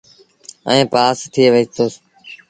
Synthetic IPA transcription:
ə̰ẽːpaːst̪ʰɪeːʋəiːt̪oːs

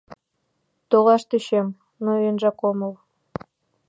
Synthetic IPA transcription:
t̪oʁɑʃt̪eɕem | noenʒɑkomɤ̆lˠ

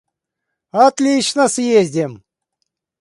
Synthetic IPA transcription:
at̪lʲit͡ɕnəsjezʲdʲɪm

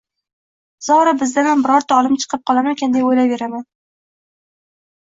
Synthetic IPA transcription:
z̥ɒwɾabɪzd̪amanbɪɾɒɾt̪ʰaɒlˠɪmt͡ʃʰɨ̥qʰɨp̚qʰɒlˠamankʲʰand̪ajojlave̞ɾaman

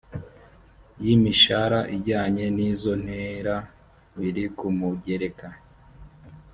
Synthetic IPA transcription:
jimiʃaɾaʔiɟaːɲe̞nizo̞n̥heɾa | βiɾikumuɟeɾeka

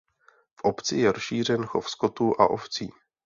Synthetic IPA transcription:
fʔopt͡sɪjɛɾosʃiːr̝ɛnxo̞fskot̪uʔa̰ʔoft͡siː

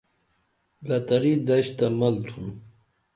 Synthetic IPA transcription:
lɐt̪ɐɾid̪ɐɕt̪amɐlt̪ʰun

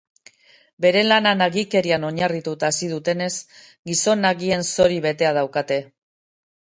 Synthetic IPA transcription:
be̞ɾe̞lananaɣike̞ɾiano̞ɲarit̪ut̪aːsið̞ut̪e̞ne̞s | ɡiso̞naɣie̞nso̞ɾiβe̞t̪e̞að̞awkat̪e̞

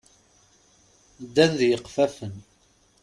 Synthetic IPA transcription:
d̪ːænðjəqfæfən

